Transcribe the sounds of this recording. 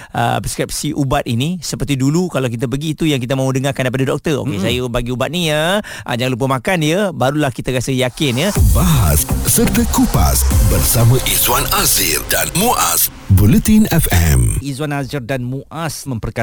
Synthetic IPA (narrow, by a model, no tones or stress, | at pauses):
ə̰pskɾip̚siʔubat̪̚inisəpərt̪idulukalawk̬it̪̬ap̬əɡiːt̪ujaŋk̬it̪amãudəŋarkandajp̬adadɔk̚t̪əro̰kesajəbaɡiubat̪̚nijə | ʔa̰d͡ʒaŋlup̬əmãkanjəbaɾulahkit̪aɾasəjakɪnjəbaɦa̰ssərdəkupa̰sbərsamãʔizwanazirdanmuʔa̰s | bulət̪inɛfɛ̰mizwanazərdanmuʔʔasmə̃mpərka